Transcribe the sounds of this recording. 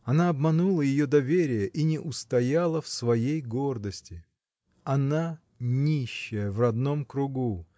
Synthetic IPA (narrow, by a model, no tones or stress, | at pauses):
ɐnaɐbmɐnulˠəjɪjo̞d̪ɐvʲeɾʲɪjəʔinʲɪʔʊst̪ɐjalˠəfsvɐjejɡord̪əsʲtʲɪ | ɐna | nʲiɕːɪjəvrɐd̪no̞mkɾʊɡu